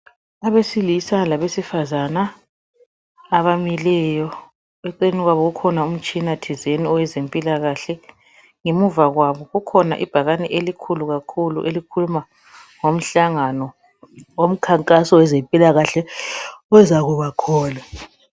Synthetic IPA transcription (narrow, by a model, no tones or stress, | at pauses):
aβesilisalaβesifazana | βamilɛjɔ | ɛǀiniɣwaβɔɣukʰɔnaum̩t͡ʃʼinatʰizeniɔwɛzempʼilaɣaɬɛ | ŋemuvaɣwaβɔɣukʰɔna̰ʔib̥ʱaɣanɛʔelikʰuluɣakʰulṵʔelikʰuluma | ŋom̩ɬaŋanɔ | wom̩kʰaŋkʼasɔwɛzempʼilaɣaɬɛ | ɔzaɣuβakʰɔːla